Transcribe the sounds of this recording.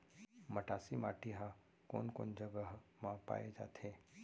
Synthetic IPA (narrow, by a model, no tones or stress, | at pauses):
məʈaːsimaːʈiɦã | ko̰ːnko̰ːnd͡ʒəɡəɦmãpa̰ːjed͡ʒa̰ːt̪ʰe